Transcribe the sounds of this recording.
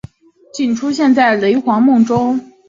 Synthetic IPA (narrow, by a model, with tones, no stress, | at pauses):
t͡ɕi˥˩nʈ͡ʂʰu˥ɕjɛ˥˧nt͡sa˥˩ɪle˧˥ɪxwɑ˧˥ŋmʊ˥˩ŋʈ͡ʂʊ˥ŋ